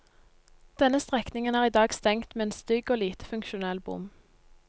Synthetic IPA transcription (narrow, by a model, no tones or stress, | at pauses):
d̪̥ɛnəst̪ʁɛknɪŋənæːʁiːd̪ɑːɡst̪ɛŋt̪meːeːnst̪ʏɡoːliːt̪əfʉŋkʃʊnɛlbʊ̰m